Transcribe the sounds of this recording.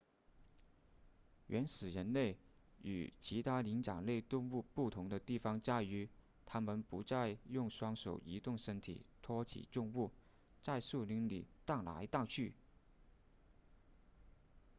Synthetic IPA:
ɥʔɛ˧˥nsɹ̩˨˩ɻə˧˥nle˥˩ɪy̰˨˩t͡ɕʰi˧˥t̪ʰa˥li˧˥ŋʈ͡ʂɑ̰˨˩ŋle˥˧ɪt̪ʊ˥˧ŋu˥˧pu˥˩t̪ʰʊ˧˥ŋd̪ə˧t̪i˥˩fɑ˩ŋt͡ɕja˥y˧˥ | t̪ʰa˥mə˨npu˧˥t͡sa˥˧ɪjʊ˥˩ŋʂwɑ˥ŋʂo˨˩ʊi˧˥t̪ʊ˥˩ŋʂə˥nt̪ʰḭ˨˩t̪ʰwɔ˥t͡ɕʰḭ˨˩ʈ͡ʂʊ˥˧ŋu˥˩ | t͡sa˥˧ɪsu˥˩li˧˥ŋlḭ˨˩t̪ɑ˥˩ŋla̰˧˥ɪt̪a˥˧t͡ɕʰy˥˩

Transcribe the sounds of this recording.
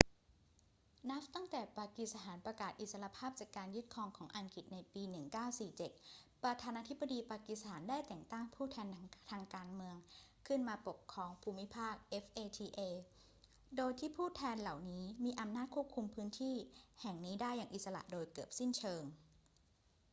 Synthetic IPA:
na˦˥ft̪a˥˩ŋt̪ɛː˨˩paː˧ki˨t̪̚sa˧t̪ʰaː˩˦npɾa˧kaː˨˩t̪̚ʔi˨˩t̪̚sa˧ɾa˧pʰaː˥˩p̚t͡ɕaː˨˩kːaː˧nju˥˩t̪̚kʰɔː˧ŋkʰɔː˩˦ŋʔa˨˩ŋki˨˩t̪̚na˧jpiː˧nɯ˨˩ŋkaː˥˩wsiː˨˩t͡ɕe˨˩t̪̚pɾa˧t̪ʰaː˧naː˧t̪ʰi˦˥bːa˧diː˧paː˧ki˨˩t̪stʰaː˩˦ndaː˥˩jt̪ɛ˨˩ŋt̪aː˥˩ŋpʰuː˥˩t̪ʰɛː˧nt̪ʰaː˧ŋkaː˧nmɯ˧əŋ | kʰɯ˥˩nmaː˧po˨˩p̚kʰːɾɔː˧ŋpʰuː˧mːi˦˥pʰaː˥˩k̚ʔe˦˥fʔeː˧t̪ʰiː˧ʔeː˧ | doː˧jt̪ʰiː˥˩pʰuː˥˩t̪ʰɛː˧nla˨˩wniː˦˥miː˧ʔa˧mnaː˥˩t̪̚kʰu˥˩p̚kʰu˧mpʰɯː˦˥nt̪ʰiː˥˩hɛ˨˩ŋniː˦˥daː˥˩jːaː˨˩ŋʔi˨˩sa˧la̰˨˩ʔdoː˧jkɯː˨˩p̚si˥˩nt͡ɕʰɤː˧ŋ

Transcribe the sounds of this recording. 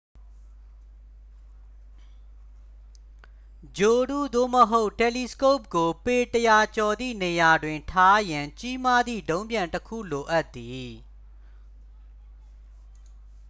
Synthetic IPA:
d͡ʑo˨dṵ˦˨d̪o̰˦˨məɦo˦ʊʔtɛ˨li˨sko˦˨p̚ɡo˨pe˨təja˨t͡ɕɔ˨d̪ðḭ˦˨ne˨ja˨dwɪ̃˨ntʰa˦jã˨ɲt͡ɕi˦ma˦d̪ðḭ˦˨dõ˦ʊ̃mbjã˨ntəkʰṵ˦˨lo˨ʔa˦t̪ːi˨

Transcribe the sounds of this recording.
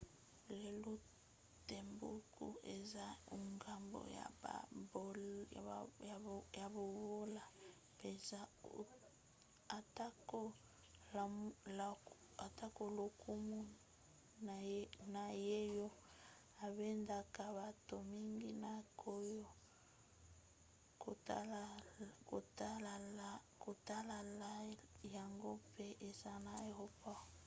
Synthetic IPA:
le˨lo˦ | te˨mbṵ˦kṵ˨e˨za˦u˨ŋɡa˨mbo̰˨ja̰˨b | a˨ja˨bo˨βo˦la˨ | pe˨za˦˨ | a˨ta˦ko˦˨ | a˨ta˦ko˨lo˨kʰu˦mu˦ | na˨je˦jo˦ | a˨be˦nda˨ka˨βa˨to˨mi˦ŋɡi˦na˨kʰo˦jo˦ | ko˨t | ko˨ta˦la˨la˦ko˨ta˦la˨la˦ja˨ŋɡo˦pe˦ʔe˨za˦na˨e˨ho˦pa˦˨

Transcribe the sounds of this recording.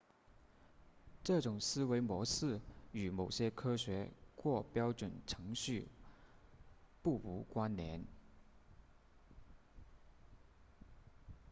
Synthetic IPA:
ʈ͡ʂɤ˥˩ʈ͡ʂʊ˨˩ŋsɹ̩˥we˧˥ɪmwɔ˧˥sɹ̩˥˩y˨˩mo˨˩ʊɕjɛ˥kʰɤ˥ɕɥɛ˧˥xwɔ˥˩pjɑ˥ʊʈ͡ʂwə˨˩nʈ͡ʂʰɤ˧˥ŋɕy˥˧ | pu˥˩u˧˥kwa˥nnjɛ˧˥n

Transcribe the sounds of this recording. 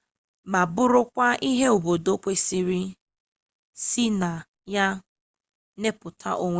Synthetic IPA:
ma˨bʊ˦ɾʊ˦kʷa˦ʔi˦ɦe˦o˨bo˨do˦pʷe˦si˦ɾi˦ | si˦na˨ | ja˦ | ne˦pʊ˨tʰa̰˦ʔo˦ŋʷ

